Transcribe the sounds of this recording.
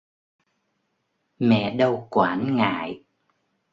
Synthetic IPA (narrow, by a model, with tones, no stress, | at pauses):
mɛ̰˧˨ɗə˧wkwaː˨˩˦nŋa̰ː˧˨j